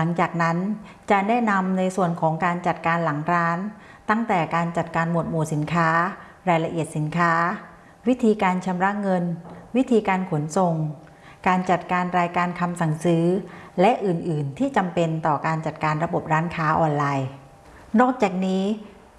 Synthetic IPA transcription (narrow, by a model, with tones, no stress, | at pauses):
la˩˦ŋt͡ɕaː˨˩k̚na˦˥n | t͡ɕa˨˩nɛː˥˩na˧mna˧jsu˨˩ənkʰɔː˩˦ŋkaː˧nt͡ɕa˨˩t̪̚kaː˧nla˩˦ŋɾaː˦˥n | t̪a˥˩ŋt̪ɛː˨˩kaː˧nt͡ɕa˨˩t̪̚kaː˧nmo˨˩t̪̚muː˨˩si˩˦nkʰaː˦˥ | ɾaː˧jla˧ʔi˨˩ət̪̚si˩˦nkʰaː˦˥ | wi˦˥t̪ʰiː˧kaː˧nt͡ɕʰa˧mɾa˦˥ʔŋɤ˧nwi˦˥t̪ʰiː˧kaː˧nkʰo˨˩˦nso˨˩ŋ | kaː˧nt͡ɕa˨˩t̪̚kaː˧nɾaː˧jkaː˧nkʰa˧msa˨˩ŋsɯː˩˦˥lɛ˦˥ʔɯː˨˩nʔɯː˨˩nt̪ʰiː˥˩t͡ɕa˧mpe˧nt̪ɔː˨˩kaː˧nt͡ɕa˨˩t̪̚kaː˧nɾa˧bo˨˩p̚ɾaː˦˥nkʰaː˦˥ʔɔː˧nlaː˧j | nɔː˥˩k̚t͡ɕaː˨˩k̚niː˦˥